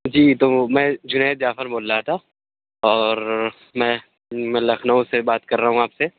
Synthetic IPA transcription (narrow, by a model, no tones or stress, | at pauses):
d͡ʒiːt̪oːmɛ̃ːd͡ʒʊneːt̪zjaːfəɾboːlːat̪ʰa | ɔːɾ | mɛ̃ː | mɛ̃ːlɐxʰnəõsebaːt̪kɐɾːɐɦũaːpse